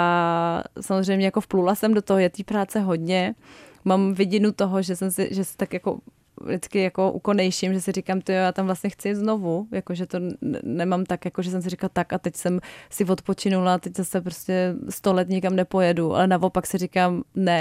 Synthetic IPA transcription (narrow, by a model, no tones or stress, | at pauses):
a | samozr̝ɛjmɲɛjakofplulasɛmdo̞t̪oɦojɛt̪iːpɾaːt͡sɛɦo̞dɲɛmamvɪɟɪnut̪oɦoʒɛsɛmsɪ̰ʒɛsɪ̥t̪akjako̰ | dɪt͡skɪjako̞ʔṵko̞nɛjʃɪmʒɛsɪrɪkaːmt̪ɪjojaːt̪amvlastɲɛxt͡sɪjɛt̪zno̞vujakoʒɛt̪o̞n̰nɛmamt̪akjakoʒɛsɛms̬ɪrɪklat̪akat̪ɛcsɛmsɪvo̞t̪po̞t͡ʃɪnulat̪ɛczasɛp̬ɾoscɛst̪o̞lɛt̪ɲɪkamnɛpo̞jɛduʔa̰lɛnavo̞paksɪɾɪkaːmnɛ